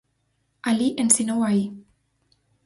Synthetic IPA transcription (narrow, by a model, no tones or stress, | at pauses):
aliʔensinowai